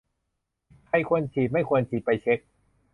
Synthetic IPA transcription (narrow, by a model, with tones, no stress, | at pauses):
kʰa˧jkʰu˧ənt͡ɕʰiː˨˩ma˥˩jkʰu˧ənt͡ɕʰiː˨˩pa˧jt͡ɕʰe˦˥k̚